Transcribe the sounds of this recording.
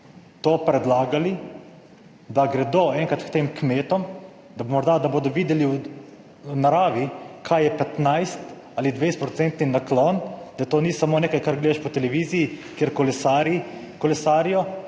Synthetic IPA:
t̪oːpɾɛd̪laːɡali | d̪aɡɾɛd̪oːɛŋkat̪kt̪emkmeːt̪ɔm | d̪amɔɾd̪ad̪aboːd̪ɔʋiːd̪ɛliw | naɾaːʋikʰajjɛpɛt̪najst̪ | alid̪ʋejst̪pɾɔt̪sɛnt̪ninaklɔnd̪̥at̪oːnisamoːneːkajkaɾɡleːd̪aʃpɔt̪ɛlɛʋiːzijikjeːɾkɔlɛsaɾ | kɔlɛsaːɾijɔ

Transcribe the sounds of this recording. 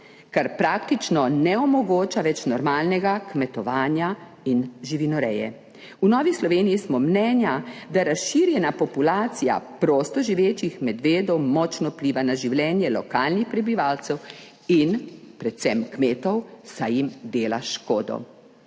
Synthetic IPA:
kaɾpɾak̚t̪it͡ʃnɔnɛɔmɔɡoːt͡ʃaʋɛt͡ʃnɔɾmaːlnɛɡakmɛt̪ɔʋaːnja | inʒiʋinɔɾɛ̰jɛ̰ | unɔːʋislɔʋeːnijismɔmnɛːnjad̪aɾasʃiɾjɛnapɔpulaːt̪sija̰pɾoːst̪ɔʒiʋeːt͡ʃixmɛd̪ʋeːd̪ɔwmɔt͡ʃnɔpliːʋanaʒiwlɛːnjɛlɔkaːlnixpɾɛbiʋaːlt̪sɛw | inpɾɛt̪sɛmkmeːt̪ɔwsajimd̪eːla̰ʃkoːd̪ɔ̰

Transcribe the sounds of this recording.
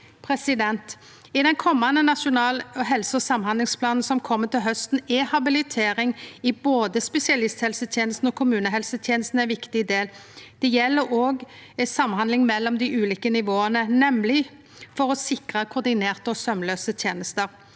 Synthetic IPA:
pʰɾɛsɪd̪ɛnt̪ | ɪd̪ɛnkʰɔmːɑnənɑʃʊnɑːlɔɦɛlsəɔsɑmhɑnd̪lɪŋspʰlɑːnn̩sɔmkʰɔmːət̪ɪlɦœst̪n̩ɛhɑbɪlɪt̪ʰeːɾɪŋɪboːd̪əspɛsɪɑlɪst̪hɛlsət̪ʰjeːnəst̪n̩ɔkʰʊmʉːnəɦɛlsət̪ʰjeːnəst̪n̩æɪʋɪkt̪ɪd̪eːld̪̥ɛjɛlːəɾoːɡsɑmhɑndlɪŋmɛlːɔmd̪ɪʔʉːliːkənɪʋoːənənɛmlɪ | fɔɾɔsɪkʁɑkʰʊʁd̪ɪneːʁt̪əɔsœmløːsət̪ʰjeːnəst̪əɾ

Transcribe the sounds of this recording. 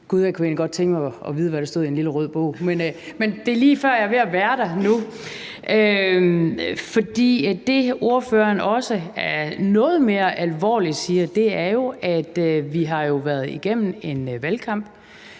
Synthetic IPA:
ɡ̥uðˠjækʰue̝̰nliɡɒ̽d̥̚t͡sʰeŋɡ̥mɑʔɒʋiːð̞ˠəʋæɾ̥ɑsd̥o̝ðˠienliləʁœð̞̰ˠb̥ɔ̰ʊ̰menmend̥e̝liːfɶɐ̰jɑ̈ʋe̝æʋæːɐɾ̥ɑnu | ʔø | fɒ̽d̥ḭːd̥e̝o̝ɐfø̰ːɐnɒ̽səæɐnɔ̽ːð̞̩ˠme̝ːɐʔælʋɒ̰ːlid̥siːɐd̥e̝æɐjo̝ʔæd̥ʋiɦɑ̈jo̝ʋæɐð̞ˠiɡ̥em̰n̩e̝nʋælkʰɑ̈m̰b̥

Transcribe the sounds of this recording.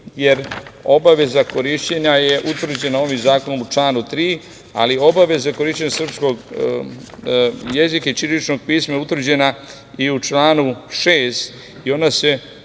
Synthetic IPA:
je̞ɾo̞̰baʋe̞zako̞ɾiʃt͡ɕeɲaje̞ʔut̪ʋr̩d͡ʑe̞nao̞ʋimzaːko̞nomut͡ʃlaːnut̪ɾiː | a̰liobaʋe̞zako̞ɾiːʃt͡ɕeɲasr̩psko̞ɡ | jezikait͡ʃiɾit͡ʃno̞ɡ̚piːsmajeut̪vr̩d͡ʑe̞na | iut͡ʃlaːnuʃeːst̪ | io̞nase̞

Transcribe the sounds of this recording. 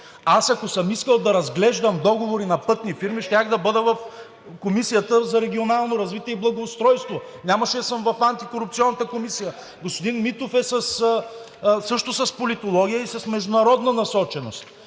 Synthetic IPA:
asɐkosəmiskəlˠd̪ɐɾɐzɡlɛʒd̪əmd̪ɔɡovoɾinɐpɤt̪nifiɾmiʃt̪ʲaxd̪ɐbɤd̪əvɐf | komisijət̪əzɐɾɛɡʲionalˠnoɾɐzvit̪iɛiblˠɐɡoːst̪ɾɔjst̪vo | nʲamɐʃɛɐsəmvɐfant̪ikoɾupt̪siɔnːət̪əkomisijə | ɡospod̪inmit̪ofɛsɐs | sɤʃt̪ʊsɐspolit̪olˠɔɡʲijəisɐsmɛʒd̪ʊnɐɾɔd̪nɐnɐsɔt͡ʃɛnost̪

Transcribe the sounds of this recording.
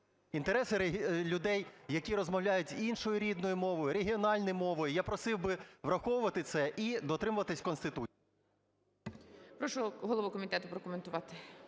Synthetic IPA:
int̪eɾɛsɪlʲʊd̪ɛjjɐkʲiɾɔzmɐwlʲajʊtʲinʃɔjʊɾʲid̪nɔjʊmɔʋɔjʊɾeɦʲiɔnɑlʲnɔjmɔʋɔjʊjapɾɔsɪwbɪʋrɐxɔwʊʋɐt̪ɪt̪sɛʔid̪ɔt̪ɾɪmʊʋɐt̪ɪsʲkɔnst̪ɪt̪u | pɾɔʃɔɦɔlˠɔʋukɔmʲit̪ɛt̪ʊpɾɔkʊment̪ʊʋɑt̪ɪ̥

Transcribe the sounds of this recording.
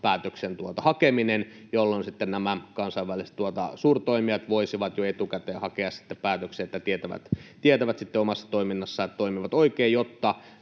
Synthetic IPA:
pæːt̪øksent̪uot̪ɑhɑkeminenjolːonsit̪ːennæmækɑnsɑiʋʋælisĕ̥t̪uot̪ɑ̰suːrt̪oimiɑt̪ʋoisiʋɑt̪joet̪ukæt̪ehɑkeɑssi̥t̪ːeppæːt̪økseːet̪ːæt̪iet̪æʋæ̰t̪t̪iet̪æʋæt̪sit̪ːeomɑsːɑ̥t̪oiminːɑsːɑet̪t̪oimiʋɑt̪oikeːjjot̪ːɑ

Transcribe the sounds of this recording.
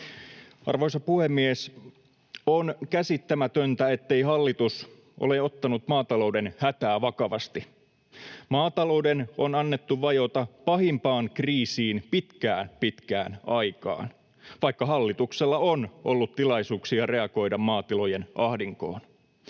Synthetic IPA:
ɑ̰rʋoisɑpuhemːies | onkæsit̪ːæmæt̪ønt̪æe̞t̪ːe̞jɦɑlːit̪us | ʔo̰leo̞t̪ːɑnut̪mɑːt̪ɑlo̞wdenhæt̪æːʋɑkɑʋɑst̪i | mɑːt̪ɑlo̞wdeno̞nɑnːet̪ːuʋɑjo̞t̪ɑpɑɦimpɑːŋkriːsiːnpit̪kæːnpit̪kæ̰ːnɑjkɑ̰ːn | ʋɑikːɑɦɑlːit̪ukselːɑonʔolːut̪tilɑjsuːksiɑre̞ɑɡo̞jdɑmmɑːt̪ilo̞jenʔɑhdiŋko̞̰ːn

